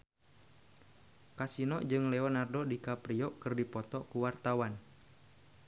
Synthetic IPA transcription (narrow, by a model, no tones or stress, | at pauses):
kasinɔʔd͡ʒɨŋlɛɔnardɔdikapɾiɔkɨrdipɔt̪ɔkuwart̪awan